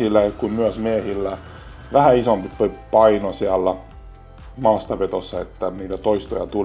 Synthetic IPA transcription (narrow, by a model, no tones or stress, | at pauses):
ilːækummyœsmiehilːæ | ʋæhæisompipipɑinosiɑlːæ | mɑːst̪ɑpet̪osːɑet̪ːæniːt̪æt̪oist̪o̰jɑ̰t̪ul